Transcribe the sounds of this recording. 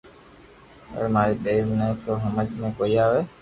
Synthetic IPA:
əəɾmaːɾiːɗeːɾnə̃t̪oːɦəməd͡ʒmẽːkoːiːaːʋeː

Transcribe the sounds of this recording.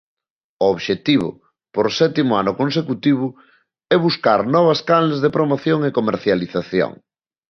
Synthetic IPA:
ʊoβʃet̪iβʊ̰ | poɾsɛt̪imʊanʊkonsekut̪iβʊ | ɛβuskaɾnɔβ̞ɐskalezðepɾomoθjoŋɪkomeɾθjaliθaθjo̰ŋ

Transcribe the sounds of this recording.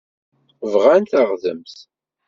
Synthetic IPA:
vʁænt̪aʁðə̰mθ

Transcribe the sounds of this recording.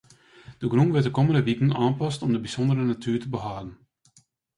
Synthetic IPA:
d̥əɡruŋʋɪtdəkoməndəʋikən̩aːnpɑstɔmdəbisɔndəɾənatʰyːtəbəɦaːdən̩

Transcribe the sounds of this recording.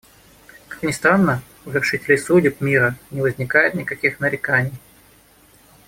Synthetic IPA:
kḁknʲɪst̪ɾanːə | ʊvʲɪrʂɨtʲɪlʲɪjsudʲɪp̚mʲiɾənʲɪvəzʲnʲɪkajɪt̪nʲɪkɐkʲixnəɾʲɪkanʲɪj

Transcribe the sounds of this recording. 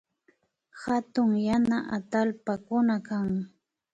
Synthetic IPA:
hat̪ʊŋjanaʔat̪alpakʊnakaŋ

